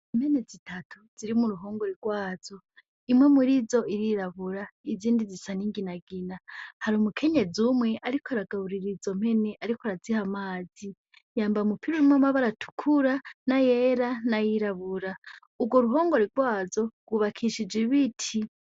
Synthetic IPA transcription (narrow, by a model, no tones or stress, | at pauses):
im̥he̞ne̞zitʰatʰuz̥iɾimuɾuɦo̞ːŋɡo̞ɾiɾɡwaːz̥o̞ | imwe̞muɾizo̞iɾiɾaβuɾaiziːndizisaniŋɡinaɡinahaɾumukʰe̞ɲe̞zumŋe̞ʔaɾikʰoɾaɡaβuɾiɾizo̞m̥he̞ne̞ʔaɾikoɾazihamaːzi | jaːmbaumupiɾoɾimamaβaɾatʰu̥kʰuɾanajeɾanajiɾaβuɾa | uɾɡo̞ɾuɦo̞ːŋɡo̞ɾiɾɡwaːzo̞ɡwuβakʰiʃid͡ʒiβitʰi